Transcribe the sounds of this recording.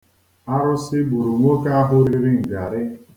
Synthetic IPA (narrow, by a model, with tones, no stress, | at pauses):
a˦ɾʊ˦sɪ˦bu˨ɾu˨ŋʷo˦ka˦a˦ɦʊ˦ɾi˦ɾɪ˦ŋ̩˨ɡa˨ɾɪ˦